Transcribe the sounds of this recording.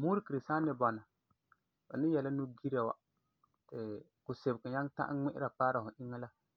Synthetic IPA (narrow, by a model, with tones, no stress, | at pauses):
mu˦ɾi˦ki˨ɾi˨saː˦nɪ˨bɔ˨na˨ | ba̰˨nɪ˦jɛ˨la˦nu˦ɡi˦ɾa˨wa̰˦ | tɪ˨kʊ˨se˨bka˨ɲa˦ŋta̰˦ʔŋ͡mɪ˦ʔɪ˦ɾa˨k͡paː˦ɾa˨hʊ˨ʔɪ˦ŋːa˦la˦